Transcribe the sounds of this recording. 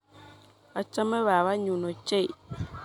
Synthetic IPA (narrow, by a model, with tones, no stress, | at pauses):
βa˨t͡ʃa˦mɛ˦βa˨βa˦ɲu˨no˨t͡ʃe˦˨